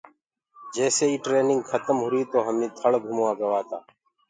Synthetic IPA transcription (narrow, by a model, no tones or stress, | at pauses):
d͡ʒeːseːiːʈɾeːnɪŋɡkʰət̪əmɦʊɾiːt̪oːɦəmĩːt̪ʰəɭɡʱumːãːɡəʋaːt̪a̰ː